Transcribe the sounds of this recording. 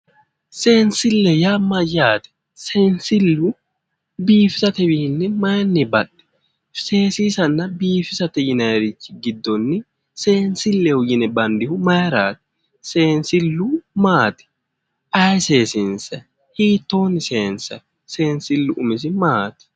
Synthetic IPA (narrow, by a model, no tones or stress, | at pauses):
seːnsɪlːɛjamɐjaːt̪ɛ̥ | se̞ːnsɪlːʊ | biːfɪsɐt̪ɛbɪhɪnːɪmɐjɐnːɪbɐɗɛ̥ | se̞ːsiːsɐnːɐbiːfɪsɐt̪ɛjɪnɐjɾɪt͡ʃːɪɡɪd̪ːɔnːɪ | se̞ːnsɪlːɛhʊjɪnɛbɐnd̪ɪhʊmɐjɾa̰ːt̪ɛ̥ | se̞ːnsɪlːʊmaːt̪ɛ̥ | ʔɐjseːsɪnsɐ | hiːt̪ːo̞ːnːɪseːnsɐ | se̞ːnsɪlːʊʔʊmɪs̬ɪmaːt̪ɪ̥